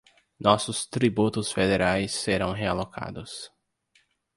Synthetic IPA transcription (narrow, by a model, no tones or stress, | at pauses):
nɔsʊst̪ɾibut̪ʊsfed̪eɾajsːeɾɐ̃w̃ɦealokʰa̰d̪ʊs